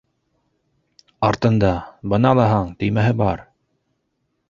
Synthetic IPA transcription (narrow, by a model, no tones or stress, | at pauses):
ɑɾt̪ɤ̆nd̪ɑbɤ̆nɑlˠɑɦɑɴt̪ɘ̆jmæɦɘbɑɾ